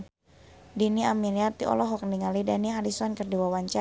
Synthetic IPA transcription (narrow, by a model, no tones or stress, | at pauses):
diniaminiat̪iʔɔ̰lɔɦɔk̚niŋalidaniaɾisɔnkərdiwawaɲt͡ʃa